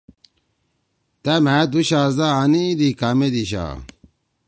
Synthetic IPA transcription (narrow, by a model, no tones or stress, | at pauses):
t̪emæd̪uɕaːzaːniːd̪ikamed̪iɕ̬a̰